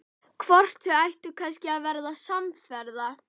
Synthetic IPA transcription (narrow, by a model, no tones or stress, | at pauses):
kʰvɔr̥t̪ʏajht̪ʏkʰanscɪaðvɛɾðasamfɛɾða